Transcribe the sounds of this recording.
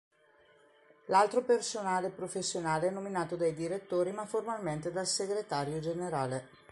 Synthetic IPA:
lalt̪ɾopersonaːlepɾofesːjonaːleɛnːominaːt̪od̪ajd̪iɾet̪ːoːɾimaformalment̪ed̪alseɡɾet̪aːɾjod͡ʒeneɾaːle

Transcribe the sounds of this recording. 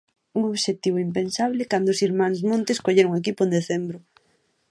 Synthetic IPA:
uŋoβʃet̪iβoimpensaβ̞lɪkand̪oʊsiɾmãŋzmõnt̪eskoʎeɾoŋek̬ipʊend̪eθembɾʊ

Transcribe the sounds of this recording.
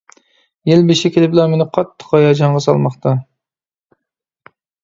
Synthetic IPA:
jelbɪʃɪkʲʰelɪbɪlˠɑmenɪqʰɑt̪ʰːə̥qɑjɑd͡ʒɑɴʁɑsɑ̰lˠmɑχt̪ʰɑ

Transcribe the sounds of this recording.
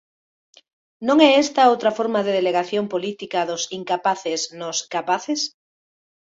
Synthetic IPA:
nõŋɛest̪aowt̪ɾafoɾmaðeðeleɣaθjompolit̪ikaðʊsiŋkapaθesnoskapaθes

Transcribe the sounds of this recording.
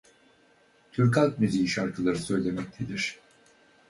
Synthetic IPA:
t̪ʰyɾkalˠkmyzijiʃaɾkʰɯlˠaɾɯsø̞jlʲe̞mɛc̚t̪ʰed̪iɾ̥

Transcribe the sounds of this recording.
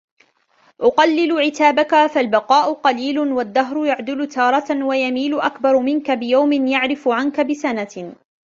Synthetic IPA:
ʔʊqɑlːɪlʊʕɪt̪aːbakafalbɑqɑːʔʊqɑliːlʊwad̪ːaɦɾʊjaʕd̪ɪlʊt̪ʰɑːɾˤɑwajamiːlʊʔakbɑɾˤmɪnkabɪjawmɪnjaʕɾɪfʊʕankabɪsana

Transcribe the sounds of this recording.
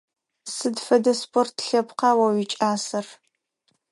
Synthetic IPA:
sɨdfɐdɐspʰʼortʰɬɐpqɑwɐwit͡ʃʼaːsɐr

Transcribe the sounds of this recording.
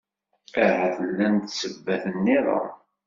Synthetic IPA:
ahæθəlːænt̪səbːæθənːiɾˤə̰

